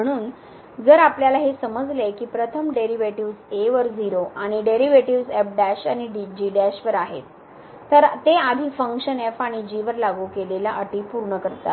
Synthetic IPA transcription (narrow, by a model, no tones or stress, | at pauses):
əɽ̃uːn | d͡zəɾapljalaɦesəməd͡zlekiːpɾət̪ʰəmɖeɾiʋeʈiʋseʋəɾd͡ziɾoʔaɽ̃iɖeɾiʋeʈiʋsep̚ɖæɕaɽ̃iɖid͡ʑiːɖæɕʋəɾaɦet̪ː | əɾt̪ead̪ʱiːfəŋkɕənefaɽ̃id͡ʑiʋəɾlaɡuːkeleljaʔəʈiːpuɾɳəkəɾt̪a̰t̪